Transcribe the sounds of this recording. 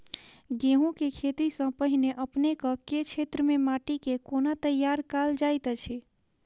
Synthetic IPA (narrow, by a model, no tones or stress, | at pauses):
ɡeɦũkekʰet̪isə̃pəɦineʔəpnekə̃ket͡ʃʰet̪ɾəmemaʈikekonat̪əjːaɾkald͡ʒajt̪t͡ʃʰe